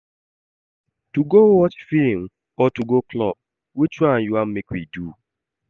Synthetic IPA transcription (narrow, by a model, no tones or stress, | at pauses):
tuɡowɔt͡ʃfim̩ | ɔtuɡoklɔ̰p̚ | wet͡ʃuajuam̩mekwidu